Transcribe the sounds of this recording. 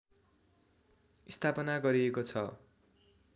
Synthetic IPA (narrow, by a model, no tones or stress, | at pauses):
ist̪ʰapʌnaɡʌɾiekot͡sʰʌ